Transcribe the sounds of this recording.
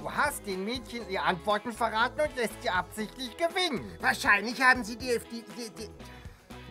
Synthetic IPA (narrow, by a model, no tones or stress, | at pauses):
d̥uːhast̚d̥eːnmeːtçəniːʁəʔantv̥ɔɐtn̩fɛɐʁaːtn̩ʊntlɛstz̥iːʔapz̥ɪçtlɪçɡ̥əvɪnənvaːɐʃaɪnlɪçhaːbm̩ziːdiːɛfd̥ididi